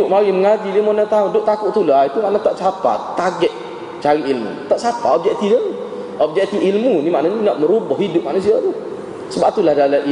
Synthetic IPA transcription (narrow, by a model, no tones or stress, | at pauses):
ʊʔmawiməŋadilimɔnat̪audʊʔt̪akʊʔt̪ulait̪umaʔnat̪aʔt͡ʃapa̰t̪ːaɡɛt̪̚ | t͡ʃaɾiʔilmṵt̪aʔsapa̰ɔp̚d͡ʒɛk̚t̪iəni | ɔp̚d͡ʒɛk̚t̪iilmunimaʔnaninaʔməɾubɔhidʊp̚maʔnus̬iat̪u | səbaʔ̚t̪ulahdalaʔi